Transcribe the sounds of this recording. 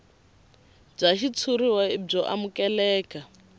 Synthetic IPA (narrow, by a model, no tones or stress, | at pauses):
b͡ʐaʃit͡sʰuɾiwaib͡ʐɔʔamukɛlɛːka